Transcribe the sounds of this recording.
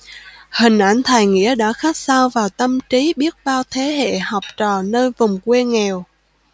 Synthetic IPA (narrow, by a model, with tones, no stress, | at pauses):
hï˨˩ŋ̟ʔa˧˩jŋ̟t̪ʰaː˨˩jŋḭ˧˥əɗa̰ː˧˥xaː˦˥k̚saː˧wvaː˨˩wt̪ə˧mt͡ɕi˨˦ɓi˦˥ət̚ɓaː˧wt̪ʰe˨˦ɦḛ˧˨hɔ˨˩wp̚t͡ɕɔː˨˩nəː˧jvʊ˨˩ŋ͡mkwe˧ŋɛ˨˩w